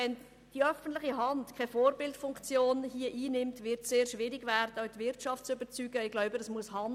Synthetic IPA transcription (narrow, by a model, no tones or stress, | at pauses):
ɛn | d̥iœfən̩tlɪχiɦɑntkʰaɪfoːɾbɪltfʊŋkt͡sjoːnhiəʔiːnɪmtvɪɾtsseːɾʃʋɪɾɪɡvɛɾd̥ətvɪɾt͡ʃɑftt͡sʏbət͡syːɡəɪɡ̥laʊbəəsmuəshɑn